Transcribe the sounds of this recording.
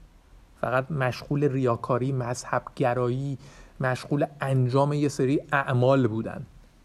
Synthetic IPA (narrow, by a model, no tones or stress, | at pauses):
fæ̰ɣæt̪mæʃɢuːlerijɒːkʰɒːɾiːmæzhæb̥ɟæɾɒːjiːmæʃɢuːleænd͡ʒɒːme̞jeseɾiːæʔmɒːlbuːd̪æ̰nd̪̥